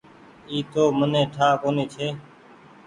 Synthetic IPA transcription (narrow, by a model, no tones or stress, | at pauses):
iːt̪oːmənẽːʈʰaːkoːneːt͡ʃʰeː